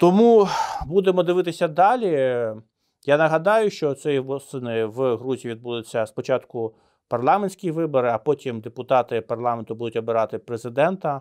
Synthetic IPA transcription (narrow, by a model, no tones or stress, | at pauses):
t̪ɔmubud̪emɔd̪ɪʋɪt̪ɪsʲɐd̪ɑlʲi | jɑnɐɦɐd̪ɑjʊʃt͡ʃɔt̪sɛjiʋɔst̪ɪnɪʋɦɾuzʲiʋʲid̪̚bulˠɪt͡sʲːɐspɔt͡ʃɑt̪kʊ | pɐrlˠɑmenʲsʲkʲijiʋɪbɔɾɪɐpɔtʲimd̪epʊt̪ɑt̪ɪpɐrlˠɑment̪ʊbud̪ʊtʲɔbɪɾɑt̪ɪpɾezɪd̪ɛnt̪ɐ